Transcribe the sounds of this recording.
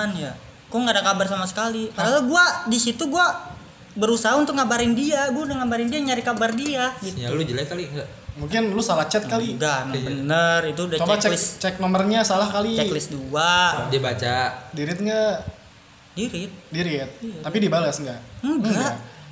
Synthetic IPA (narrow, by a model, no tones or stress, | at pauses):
anja | koŋɡadakabarsamasə̥kalitaalaɡuadisit̪uɡua | bəɾusaɦaunt̪ʊk̚ŋabaɾɪndiaɡuadaŋabaɾɪndiaɲaɾɪkabardiaɡit̪jalud͡ʒəlakaliŋa | muŋkɪnlusalaht͡ʃɛt̪̚kaliɡanabənərit̪udat͡ʃoat͡ʃɛɪst͡ʃɛk̚nɔmərɲasalahkalit͡ʃɛklɪsduadibat͡ʃadiɾɪt̪̚ŋɡa | diɾɪt̪̚diɾɪt̪̚ːapidibalasŋɡaʔəbəŋa